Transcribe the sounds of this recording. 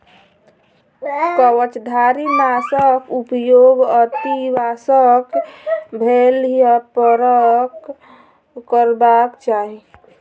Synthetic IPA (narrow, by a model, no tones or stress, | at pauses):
kəwət͡ʃd̪ʱaɾimasəkupjoɡət̪ibasəkbʱeljəpəɾəkː | əɾbakt͡ʃaɦi